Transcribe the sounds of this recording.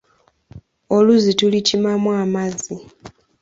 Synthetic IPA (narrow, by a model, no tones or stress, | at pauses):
oluzitulicimamwaːmazi